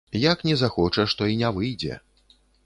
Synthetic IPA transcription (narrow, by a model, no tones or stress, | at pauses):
jaknʲɛzaxɔt͡ʂɐʂt̪ɔinʲɛvɨjd͡zʲɛ̰